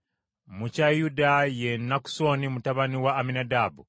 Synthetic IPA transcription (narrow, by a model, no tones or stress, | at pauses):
mucajudajenːaku̥so̞nimutaβaniwaːminadabu